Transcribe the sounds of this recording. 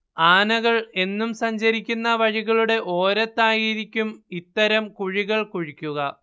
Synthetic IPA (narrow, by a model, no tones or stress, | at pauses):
aːnɐɣɐɭe̞nːumsɐɲd͡ʑɐɾikʲːunːɐʋɐɻiɣɐɭuɽe̞ʔo̞ːɾɐt̪ːaːjiɾikʲːumit̪ːɐɾɐmkuɻiɣɐɭkuɻikʲːuɣɐ